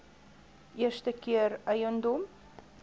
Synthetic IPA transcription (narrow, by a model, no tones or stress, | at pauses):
ʔiərstəkiərəjənd̪om